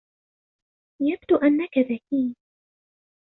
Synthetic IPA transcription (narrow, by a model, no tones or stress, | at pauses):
jab̚d̪uʔanːakaðakiː